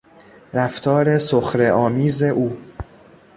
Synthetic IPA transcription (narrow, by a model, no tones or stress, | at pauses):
ɾæft̪ʰɒːɾe̞soxɾe̞ʔɒːmiːze̞ʔuː